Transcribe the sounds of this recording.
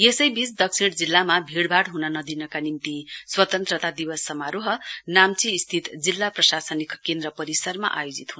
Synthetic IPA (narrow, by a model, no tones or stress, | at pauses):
jesʌjbisd̪ʌksiɽd͡zilːamabʱiɽbʱaʈɦunʌnʌd̪inʌkanimt̪iswʌt̪ʌnt̪rʌt̪ad̪ibʌsːʌmaɾoɦʌnamt͡siːst̪ʰit̪d͡zilːaprʌsasʌnikkend̪ɾʌpʌɾisʌrma̰ʔa̰jod͡zit̪ɦun